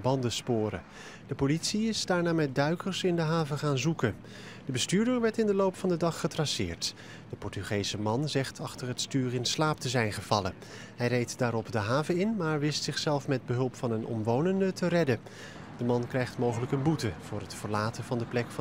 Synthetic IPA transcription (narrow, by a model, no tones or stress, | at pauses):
bɑndəspʊːɾə̰ | d̥əpolitsiɪzdaːɹnaːmɛt̚dœɥkəɹsɪndəɦaːvəχaːnzukə | d̥əbəstyːɹdəɹʋɛɹtɪndəlowpfɑndədɑχːətrɑsɪ̰ːɹt | d̥əpɔɹtyχejzəmɑnzɛχtʰɑχtəɹɦətstyːrɪnslaːp̚təzɛjnχəv̥ɑlə | ɦɛjrejtdaːɾɔpdəɦaːvəɪnmaːɹʋɪstsɪχsɛlˠfmɛd̚bəɦɵlˠpfɑnənɔ̰mʋownəndətərɛdə | d̥əmɑnkrɛjχtmowχələkənbutəv̥ʊːɹətfəɹlaːtəvɑndəplɛkf